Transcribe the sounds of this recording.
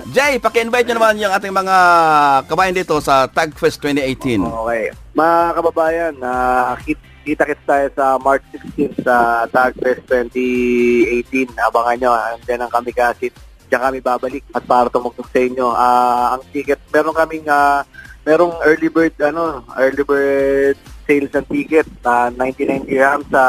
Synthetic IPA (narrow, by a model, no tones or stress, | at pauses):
d͡ʒɛjpɐkɪʔɪnvajt̪̚ɲʊnɐmanjʊŋʔaːt̪̬ɪŋmɐŋakɐbaːjɐnd̪iːt̪o̞sɐt̪aɡ̚fɛst̪wɛnt̪iʔejt̪inʔokɛjmɐŋakɐbɐbaːjɐnaːkit̪̚ | kit̪ɐkɪt̪̚t̪aːjosɐmaɹt͡ʃsɪkst̪insɐt̪aɡ̚fɛst̪ːwɛnt̪iʔejt̪inɐbɐŋɐɲoɐnd͡ʒɐnɐŋkɐmɪkaːsɪt̪̚ | d͡ʒɐŋkɐmɪbaːbɐlɪk̚ɐt̪̚paːɾɐt̪ʊmʊɡ̚t̪oɡ̚sɐʔɪɲːo̞ʔaːɐŋt̪iːkɛt̪̚mɛːɾoŋkɐmɪŋamɛːɾoŋʔɛɹlɪbɛɹd̪̚ɐno̞ʔɛɹlɪbɛɹd̪̚sejlsɐŋt̪iːkɛt̪̚ɐnajnt̪inajnt̪iɹamsɐ